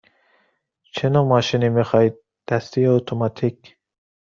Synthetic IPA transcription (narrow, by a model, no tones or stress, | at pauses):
t͡ʃʰenɑmɑːʃinimixɑːid̪̚ | d̪̥æst̪ijeot̪ʰomɑt̪ʰik